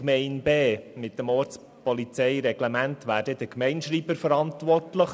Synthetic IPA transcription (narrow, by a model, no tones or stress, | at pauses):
mɛɪnbeːmɪt̚ːəmoːɾt͡s | pɔlit͡sɛɪɾɛɡ̥lɛmæntʋæːɾdɛd̥əkmɛɪnʃriːbəɾfəɾɑntʋɔrtləχ